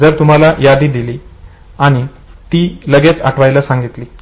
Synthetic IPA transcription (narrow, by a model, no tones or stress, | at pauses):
d͡zəɾt̪um̤alajad̪iːd̪iliː | aɽ̃i | t̪iːləɡet͡sa̰ʈʰʋajlasãŋɡit̪liː